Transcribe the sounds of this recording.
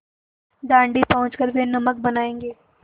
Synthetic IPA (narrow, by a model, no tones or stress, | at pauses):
d̪ãːɳɖipɐɦʊ̃t͡ʃkəɾbenɐmək̚bɐnaːẽːŋɡeː